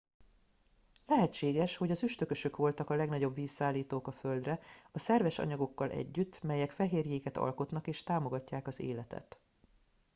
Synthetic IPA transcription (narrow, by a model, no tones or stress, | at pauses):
lɛɦɛt͡ʃːeːɡɛʃho̞ɟɒzyʃt̪ø̞kø̞ʃø̞kʋo̞lt̪ɒkɒlɛɡnɒɟo̞bʋiːsːaːlːiːt̪oːkɒføld̪rɛɒsɛrvɛʃɒ̰ɲɒɡo̞kːɒlʔɛ̰ɟːyt̪ːmɛjɛkfɛɦeːrjeːkɛt̪ɒ̰lko̞t̪nɒkeːʃt̪aːmo̞ɡɒcːaːkɒzḛːlɛt̪ɛ̰t̪